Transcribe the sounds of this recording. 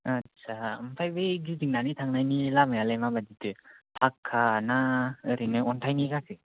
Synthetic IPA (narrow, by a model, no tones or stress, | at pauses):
att͡ʃʰampʰajbɯjɡiziŋ̚nanitʰaŋnajnilamajalajmabaditɯpʰakʰːanaɯɾinɯɔntʰajnikʰakʰɯ